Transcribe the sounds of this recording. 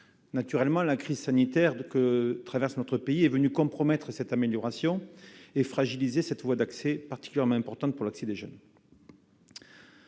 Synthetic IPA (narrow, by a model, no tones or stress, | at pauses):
nat̪yʁɛlmɑ̃lakχizsanit̪ɛʁkət̪χavɛʁsnɔt̪χəpeiɛvənykɔ̃pχɔmɛt̪χəsɛt̪ameljɔʁasjɔ̃efχaʒilizesɛt̪əvwad̪aksepaʁt̪i̥kʲyljɛʁmɑ̃ɛ̃pɔʁt̪ɑ̃t̪̚puʁlaksed̪eʒœn